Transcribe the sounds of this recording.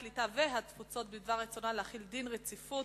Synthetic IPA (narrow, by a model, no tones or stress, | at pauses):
litaveɦatfut͡so̞t̪̚bid̪vaʁːet͡sonaleaχild̪inʁet͡sifu